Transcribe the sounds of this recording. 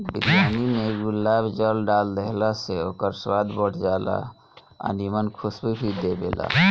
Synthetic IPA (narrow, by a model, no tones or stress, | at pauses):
bid̪janimeɡulːabd͡ʒəlɖald̪eɦlaseokəɾswad̪bəɽ̤d͡ʒala̰ | a̰nimənkʰusbibʱid̪ebḛla̰